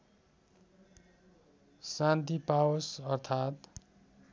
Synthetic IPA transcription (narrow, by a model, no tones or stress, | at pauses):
sant̪ipawosʌrt̪ʰat̪